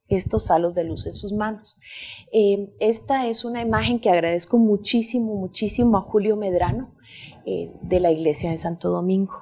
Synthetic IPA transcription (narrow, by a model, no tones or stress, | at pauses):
e̞st̪o̞salo̞zd̪eluse̞nsuzmanosee̞st̪ae̞sunaimaxe̞ŋkeaɣɾað̞e̞sko̞mut͡ʃisimo̞mut͡ʃisimoaxuljo̞me̞ðɾano̞ | ḛd̪e̞laiɣle̞sjaðe̞sant̪o̞ð̞o̞mĩŋɡo̥